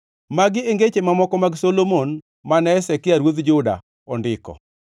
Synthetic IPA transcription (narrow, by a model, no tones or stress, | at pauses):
maɡɪeŋɡet͡ʃemamɔkɔmaɡsolomon | manɛɛsɛkɪaɾwod̪d͡ʒʊda̰ | ɔndɪkɔ̰